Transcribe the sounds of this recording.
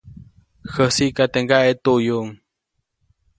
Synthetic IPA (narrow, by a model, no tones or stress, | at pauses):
xəsiʔkat̪eŋɡaʔet̪uʔjuŋ